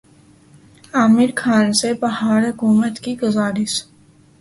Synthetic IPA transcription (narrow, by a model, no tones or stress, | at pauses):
aːmɪɾkʰaːnsepɐɦaːɾɦʊkuːmət̪kiɡɐzaːɾɪs